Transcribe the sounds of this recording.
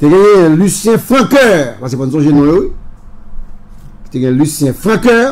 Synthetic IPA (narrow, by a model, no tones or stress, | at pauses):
t̪eɡɛ̃jɛ̃lysjɛ̃fʁãkœːʁpaskepɔ̃nsɔ̃ʒenɔ̃jowi | ki̥t̪eɡãɛ̃lysjɛ̃fʁãkɛː